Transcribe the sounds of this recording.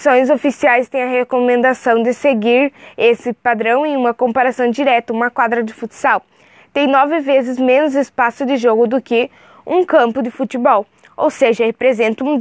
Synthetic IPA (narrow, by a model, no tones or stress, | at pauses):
sõj̃zofisiajst̪ẽj̃ɐɦekomẽnd̪asɐ̃w̃d̪ɪseɡiɾesɪpad̪ɾɐ̃w̃ẽj̃ũmɐkõmpaɾasɐ̃w̃d͡ʒiɾɛt̪ɐũmɐkwad̪ɾɐd͡ʒɪfut̪ɪ̥saw | t̪ẽj̃nɔvɪvezɪzmẽnʊzɪspasʊd̪ɪʒoɡʊd̪ʊkɪ | ũkɐ̃mpʊd̪ɪfut̪ɪbɔw | o̰wseʒɐhepɾezẽnt̪ɐũ